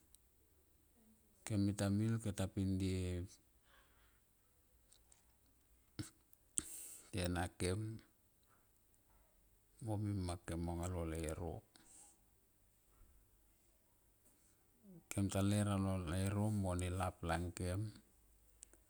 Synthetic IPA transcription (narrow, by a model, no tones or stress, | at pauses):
ke̞mitamilketapindi | tenake̞m | omimːake̞moŋalolaeɾo̰ | kemtaleɾalolaeɾo̞monilaplaŋke̞m